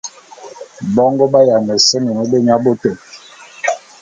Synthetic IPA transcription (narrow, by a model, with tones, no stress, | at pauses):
bɔ˦ŋɡɔ˦ba˦ja˨nɛ˨sɛ˦mɛ˨mə˦be˦ɲa˦bo˦tɛ˨